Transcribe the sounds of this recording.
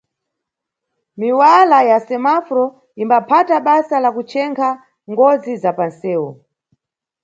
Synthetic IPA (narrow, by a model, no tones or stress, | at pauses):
miwalajasɛmafɾɔ | imbapʰataɓasalakut͡ʃɛŋkʰa | ŋɡɔd͡zizapansɛːwɔ̰